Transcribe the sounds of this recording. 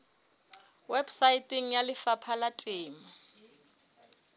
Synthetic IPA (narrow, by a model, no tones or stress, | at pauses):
wɛbsaitʼiŋ̩jalɪfapʰalatʼeːma